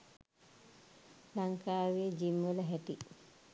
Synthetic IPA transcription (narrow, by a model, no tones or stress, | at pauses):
laŋkaːʋeːd͡ʒimːulɐɦæʈi